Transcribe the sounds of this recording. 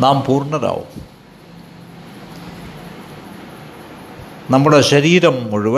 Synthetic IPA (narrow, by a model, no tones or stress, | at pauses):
naːmpuːrɳːɐɾa̰ːʋṵm | nɐmːuɽe̞ɕɐɾiːɾɐmoɻiʋɐ